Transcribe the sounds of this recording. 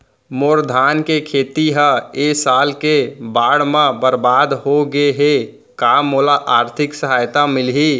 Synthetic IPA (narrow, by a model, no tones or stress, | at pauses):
moːɾd̪ʱankekʰeːt̪iɦə̃esaːlkebaːɽmãbəɾbaːd̪ɦoɡeɦe | kamːolaʔaːɾt̪ʰɪksəɦajt̪amɪlɦi